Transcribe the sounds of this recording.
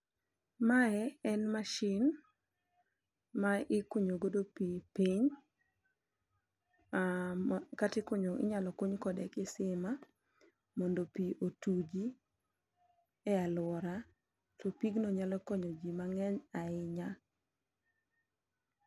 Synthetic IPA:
maɛɛnmaʃɪn | maʔɪkoɲoɡodopipiɲ | katɪkoɲoʔɪ̰ɲalɔkoɲkɔdɛkɪsɪma | mɔndopiʔotud͡ʒi | ɛalwɔɾa | tɔpiɡnoɲalɔkɔɲɔd͡ʒimaŋɛɲaɪɲa

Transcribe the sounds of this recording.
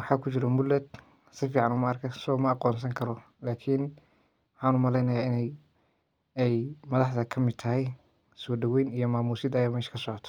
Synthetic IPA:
wɑħɑːkʰʊt͡ʃɪɾɔmʊlːɛd̪ | sɪfiːʕɑnʊːmɐːrkʰɐsɔːmɐɑqɔːnsɐŋkʰɐɾɔ | laːkʰin | ħaːnʊmɐlɛjnɐjaːɪnɛj | ɛjmɐðɑħd̪ɐkʰɐmɪd̪̚t̪ʰɐɦɛj | sɔːɖɐwɛjnijɞmaːmuːsɪd̪ɐjaːmɛːʃkʰɐsɔʕɔt̪ʰɔ̥

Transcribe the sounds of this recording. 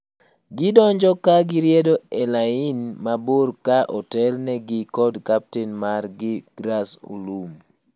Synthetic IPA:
ɡɪdɔɲd͡ʒɔkaɡɪɾjɛdoɛlaɪnmaboɾkaʔɔtɛlnɛɡɪkɔdkap̚tɛnmarɡɪɡ̥ɾaso̰lum

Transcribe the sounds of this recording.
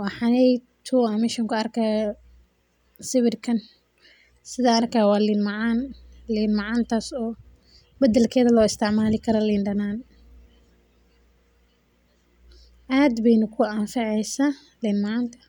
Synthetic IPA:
wɑħɑnɛjt̪ʰuɐmɪʃɐŋkʰʊɐrkʰaː | sɪβɪrkʰɐn | sɪðaːrkʰaːwɑːlɪnmɑʕaːnlɪnmɑʕaːnt̪ʰaːsɔː | bɐd̪ɛlkʰɛːðɐlɔːɪst̪ʰɪʕmaːlɪkʰɐɾɔlɪːnɖɐnaːn | ʔaːd̪bɛjnʊkʰʊʔanfɑʕɛjsaː | lɪnmɑʕaːnt̪ʰɐ̥

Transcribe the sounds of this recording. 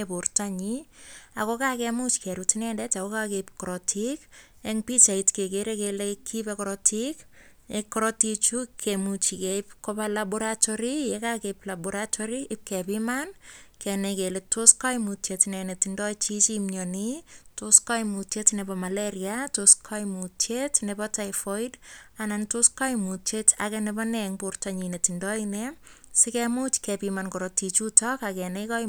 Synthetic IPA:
eportaɲia̰kokakemut͡ʃkɛɾutinɛndɛt͡ʃakokakepkɔɾɔtʰikeŋpit͡ʃaitkek̬eɾekelekʰːipekɔɾɔtik | ekːɔɾɔtit͡ʃukʰemut͡ʃikeipkopalabuɾatɔɾijekakeplabuɾatʰɔɾiʔɪp̚kɛpimankɛnekeletːoskɔjmutjetnɛnetindɔit͡ʃit͡ʃimɲɔnitoskajmutetnɛbɔmalɛɾjatoskʰajmutetnɛbɔtajfɔidanantoskajmuteta̰kɛnɛbɔnɛŋportaɲinetindɔinɛ | sɪkɛmut͡ʃkɛpimankɔɾɔtit͡ʃutɔkakɛneka

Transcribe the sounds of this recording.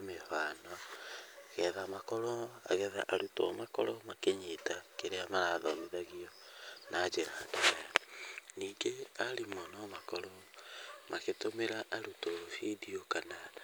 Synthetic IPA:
mehaːnɔ | ɣɛðamakɔɾɔa̰ɣɛða̰ʔaɾutɔ̰makɔɾɔmakeɲetakeɾeamaɾaðɔmiðaɣiɔnʔaːd͡ʒeɾaːdaβajaniːŋɡeaɾimɔnɔmakɔɾɔ | maketomeɾaʔaɾutofediokana

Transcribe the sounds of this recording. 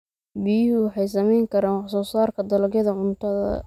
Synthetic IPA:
bɪjɪɦʊwɑħɑjsɐmɛjŋkʰɐɾaːnɑsɔːsaːrkʰɐd̪ɐlɐɡjɐðɐʕʊnt̪ʰɐðɐ̰

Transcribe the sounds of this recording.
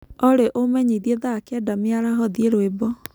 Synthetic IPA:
ɔɾeʔomɛɲeðieðakɛdameaɾaɦɔðieɾwebɔ

